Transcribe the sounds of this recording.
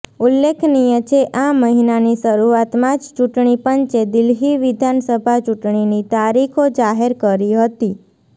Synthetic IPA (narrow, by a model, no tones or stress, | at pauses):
ulːekʰnijət͡ʃʰeʔaməɦinaniʃəɾuat̪mãd͡ʒt͡ʃuʈɳipənt͡ʃed̪ɪlɦiʋid̪ʱansəbʱat͡ʃuʈɳinit̪aɾikʰod͡ʒaɦeɾkəɾiɦət̪i